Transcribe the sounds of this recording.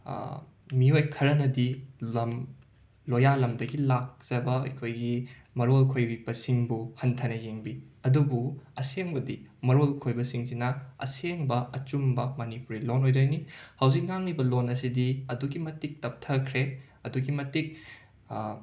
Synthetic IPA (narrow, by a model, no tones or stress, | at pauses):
miojkʰɐɾɐnɐdiɐm | lojalɐmdɐɡilak̚t͡ʃɐbɐɐ̰kʰojɡi | mɐɾolkʰojbibɐsiŋbuhɐntʰɐnɐjeŋbiɐdubuɐseŋbɐdimɐɾolkʰojbɐsiŋsinɐɐ̰seŋbɐɐt͡ʃumbɐmɐnipuɾilonojdɐjnihɐwzik̚ŋaŋlibɐlonɐsidiɐduɡimɐtik̚tɐp̚tʰɐkʰɾe | ɐduɡimɐtik̚